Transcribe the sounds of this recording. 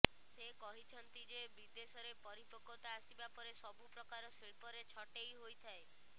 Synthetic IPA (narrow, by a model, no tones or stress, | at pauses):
sekɔɦit͡ʃʰɔnt̪id͡ʒebid̪esɔɾepɔɾipɔkot̪aːsibapɔɾesɔbupɾɔkaɾɔsiɭpɔɾet͡ʃʰɔʈejɦojt̪ʰae